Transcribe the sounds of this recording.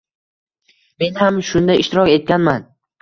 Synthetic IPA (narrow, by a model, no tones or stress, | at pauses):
me̞nhamʃʊnd̪ajɪʃt̪ɪɾɒkʲe̞t̪̚kʲanman